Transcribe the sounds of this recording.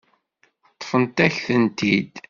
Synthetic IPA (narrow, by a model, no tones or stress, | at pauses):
t̪ˤːfənt̪æçθənt̪id̪